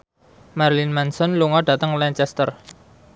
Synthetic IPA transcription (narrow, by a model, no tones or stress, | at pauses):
marlinmɛnsɔnluŋɔɖ̥ä̤t̪əŋlɛɲt͡ʃɛst̪ər